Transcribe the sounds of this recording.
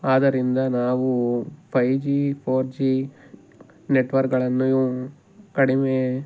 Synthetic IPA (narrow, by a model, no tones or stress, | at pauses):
aːd̪ɐɾind̪ɐnaːʋupʰɐjd͡ʒipʰoːɾd͡ʒi | neʈːʋɐɾkɡɐɭɐnːuu | ɐɽimeː